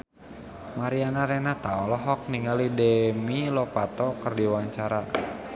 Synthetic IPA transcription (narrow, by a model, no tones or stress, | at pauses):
maɾianaɾɛnat̪aɔlɔɦɔk̚niŋalidɛmilɔpat̪ɔkərdiwaɲt͡ʃaɾa